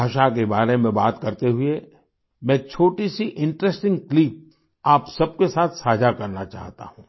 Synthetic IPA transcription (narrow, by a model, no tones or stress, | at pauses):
aːʃak̬ebaːɾemẽbaːt̪kɐɾt̪eɦʊe | mɛ̃ːt͡ʃʰoːʈisiʔɪ̃ɳʈɾɛsʈɪ̃ŋɡklip̚ | aːpsɐb̚kesaːt̪ʰsaːd͡ʒʱakɐɾnat͡ʃa̰ːɦt̪a̰ɦũː